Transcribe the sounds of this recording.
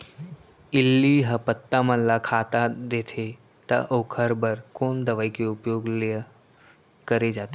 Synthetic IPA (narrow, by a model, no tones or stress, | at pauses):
ilːiɦəpət̪ːamənlakʰat̪ad̪et̪ʰe | t̪ə̰ʔokʰəɾbəɾkoːnd̪əʋajkeupjoɡlə | kəɾed͡ʒat̪e